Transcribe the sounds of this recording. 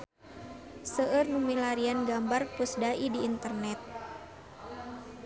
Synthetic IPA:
səərnumilaɾianɡambarpusdaidiːnt̪ərnɛt̪̚

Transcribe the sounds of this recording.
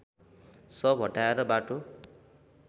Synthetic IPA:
sʌbʱɦʌʈaeɾʌbaʈo

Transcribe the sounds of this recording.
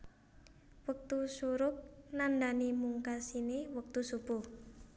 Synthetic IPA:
wək̚t̪usuɾʊk̚nandanimuŋkasinewək̚t̪usub̥u

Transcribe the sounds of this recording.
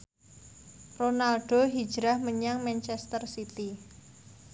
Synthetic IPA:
ronalɖ̥oɦid̥d͡ʒɾahməɲaŋmɛnt͡ʃɛst̪ərsit̪i

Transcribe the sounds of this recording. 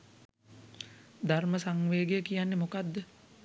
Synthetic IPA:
d̪arməsaŋʋeːɡejəkijanːemokad̪ːə

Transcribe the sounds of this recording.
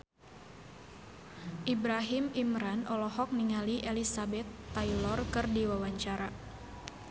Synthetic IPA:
ʔibɾaɦimimɾanɔlɔɦɔk̚niŋaliʔelisabɛt̪ːajlɔrkɨrdiwawaɲt͡ʃaɾa

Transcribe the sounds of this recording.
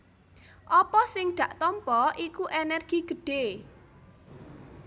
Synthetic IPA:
ʔɔpɔsɪŋd̪̥ä̤ʔt̪ɔmpɔʔikuʔenɛrɡ̥iɡ̥əɖ̥e

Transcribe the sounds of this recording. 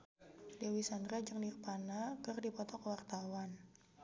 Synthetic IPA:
dewisandɾad͡ʒəŋnirpanakərdipɔt̪ɔkwart̪awan

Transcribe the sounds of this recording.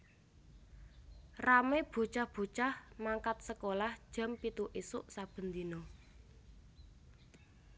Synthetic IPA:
rameb̥o̤t͡ʃahb̥o̤t͡ʃahmaŋkat̪̚səkolahd̥ʒ̥a̤mpit̪uʔisʊʔsab̥ə̤nd̪ino

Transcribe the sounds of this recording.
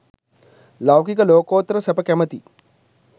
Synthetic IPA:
lɐwkikəloːkoːt̪ɾəsɐpəkɛmət̪i

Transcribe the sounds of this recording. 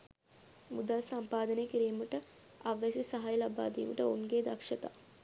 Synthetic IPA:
mud̪alsɐmpaːd̪ənekiɾijməʈə | aʋːesisɐɦajlaba̰ːd̪ḭːməʈəunɡeːd̪ɐkʂɐt̪a̰ː

